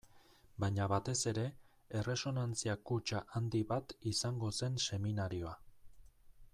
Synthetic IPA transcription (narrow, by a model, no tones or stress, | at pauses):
bajɲaβat̪e̞se̞ɾe̞ | ere̞so̞nant͡siakut͡ʃaʔand̪iβat̪isaŋɡo̞se̞nse̞minaɾio̞a